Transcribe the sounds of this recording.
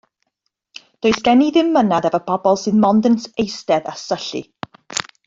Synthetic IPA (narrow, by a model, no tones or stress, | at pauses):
d̥oːɨsɡ̥ɛniðɪmːənaðavəpʰɔbɔlˠsɨðmɔndənsejstɛða̰səɬḭ